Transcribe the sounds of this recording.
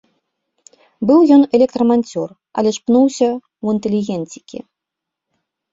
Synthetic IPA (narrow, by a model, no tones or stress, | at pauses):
bɨwjɔnɛlʲɛk̚t̪ɾɐmanʲt͡sʲɔr | ɐ̰lʲɛʂpnuwsʲɐ | wɨnt̪ɛlʲiɣʲɛnt͡sʲikʲḭ